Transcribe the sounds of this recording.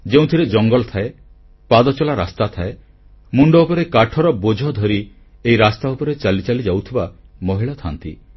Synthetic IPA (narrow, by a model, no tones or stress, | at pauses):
d͡ʒeũt̪ʰiɾed͡ʒɔŋɡɔlɔt̪ʰae | pad̪ɔt͡ʃɔlaɾast̪at̪ʰae | muɳɖɔupɔɾekaʈʰɔɾɔbod͡ʒʱɔd̪ʱɔɾi | eiɾast̪aupɔɾet͡ʃalit͡ʃalid͡ʒawt̪ʰibamɔɦiɭat̪ʰant̪ḭ